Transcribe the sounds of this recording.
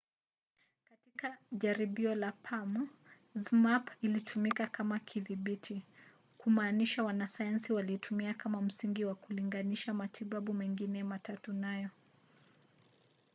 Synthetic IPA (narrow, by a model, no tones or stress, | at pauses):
katikaʄaɾiɓiɔlapʰam | zmapilitʰumikakamakʰiðiɓitʰi | kumaːniʃawanasajansiwaliɛtʰumiakamam̩siŋɡiwakuliŋɡaniʃamatʰiɓaɓumɛŋɡinɛmatatunajɔ